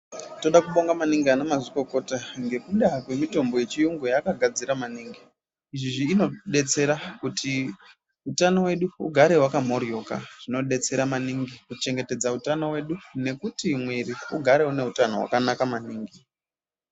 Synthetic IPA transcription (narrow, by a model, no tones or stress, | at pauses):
to̞ɗakuɓo̞ŋɡamaniŋɡianamaziko̞ko̞taŋɡe̞kuɗakwe̞mito̞mbo̞je̞t͡ʃijuŋɡujakaɡʱad͡ziɾamaniːŋɡi | iʐiʐiːno̞ɗe̞t͡se̞ɾakutʰi | utano̞we̞ɗuṵɡʱaɾe̞wakam̤o̞rio̞ka̰ʐ̥ino̞ɗe̞t͡se̞ɾamaniŋɡikut͡ʃe̞ŋɡe̞te̞d͡zautano̞we̞ɗune̞kutimweɾiuɡʱaɾe̞une̞utano̞ɦwa̰kanakamaniːŋɡi